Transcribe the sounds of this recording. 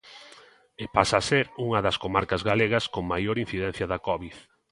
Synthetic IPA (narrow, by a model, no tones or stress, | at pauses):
epasaseɾuŋɐðɐskomaɾkɐzɣaleɣ̞ɐskoŋmajoɾĩn̟θiðɛn̟θjɐðɐkɔβið